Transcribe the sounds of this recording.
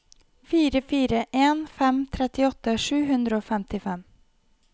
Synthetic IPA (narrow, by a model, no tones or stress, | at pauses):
fiːɾəfiːɾəʔeːnfɛmt̪ʰɾɛt̪ɪɔt̪ːəʂʉːɦʉnd̪ɾəoːfɛmt̪ɪfɛm